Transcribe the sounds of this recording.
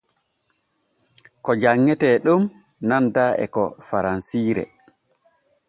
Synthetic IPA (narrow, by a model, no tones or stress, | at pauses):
kɔd͡ʒaŋːɛtɛɗum | nandaːɛ̰kɔ̰faɾansiːɾɛ̰